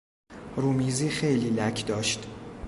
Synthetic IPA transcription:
ɾuːmiːziːxejliːlækʰd̪ɒːʃt̪

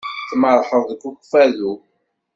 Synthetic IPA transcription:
θməɾˤħəðˤðəkːuxfæðu

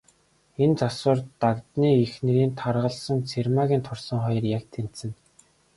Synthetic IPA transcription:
ent͡sasʊ̆ːrt̪akt̪niːixnĕɾiːnt̪ʰarʁə̆ɮsə̆nt͡sʰermaːɣʲiːnt̪ʰʊrsɞ̆ŋχɔjrjakt̪ʰen̥t̪sɘ̆n

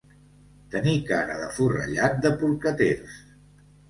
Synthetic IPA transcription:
t̪ənikaɾəðəfurə̰ʎat̪̚d̪əpuɾkət̪eɾs

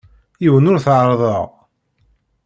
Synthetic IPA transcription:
jiwənʊɾθʕɾˤðˤəʁ

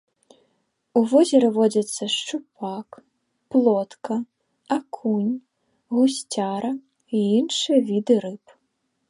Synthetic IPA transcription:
uvɔzʲɛɾɐvɔd͡zʲɐt̪sːɐʂt͡ʂupʰak | plˠɔt̪kɐ | akʰunʲ | ɣusʲt͡sʲaɾɐ | iinʂɨjɐvʲid̪ɨɾɨp

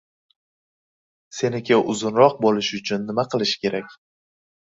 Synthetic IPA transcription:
se̞nɪkʲaʔʊzʊnɾɒq̚bolɪʃʊt͡ʃʰʊnːɪmaqʰɨlˠɪʃkʲʰe̞ɾakʲ

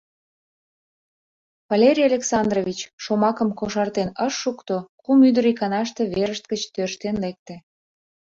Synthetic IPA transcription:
vɑlʲeɾʲijɑlʲeksɑnd̪rovʲit͡ɕʃomɑkəmkoʃɑrt̪enəʃːukt̪okumyd̪əɾikɑnɑʃt̪eβeɾəʃt̪̚ɡət͡ɕt̪øʃt̪enlek̚t̪ĕ

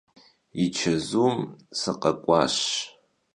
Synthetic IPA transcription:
it͡ʃʰɐzumsɨqʼɐkʷʼaʃ

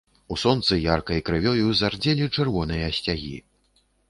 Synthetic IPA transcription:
usɔnt̪sɨjarkɐjkɾɨvʲɔjuzard͡zʲɛlʲit͡ʂɨrvɔnɨjɐsʲt͡sʲaɣʲḭ

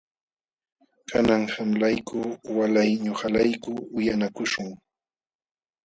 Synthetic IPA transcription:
kʰanaŋhamlajkʰʊwalajɲohalajkʊʊjanakʊʃʊŋ

